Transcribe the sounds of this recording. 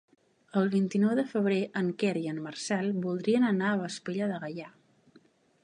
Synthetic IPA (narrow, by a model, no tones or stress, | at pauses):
əlˠβ̞int̪inɔwðəfəβ̞ɾeʔəŋkɛɾiənmərsɛlˠbulˠd̪ɾiənənaəβəspeʎəðəɣəja